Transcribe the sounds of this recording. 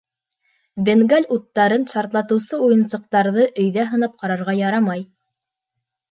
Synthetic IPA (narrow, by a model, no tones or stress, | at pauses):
bɘ̆ŋɡælʲut̪ːɑɾɤnʃɑɾt̪lˠɑt̪ɤ̆wsɤujɤ̆nsɤ̆q̚t̪ɑɾðɤʔɵ̆jðæɦɤ̆nɑp̚qɑɾɑɾʁɑjɑɾɑmɑj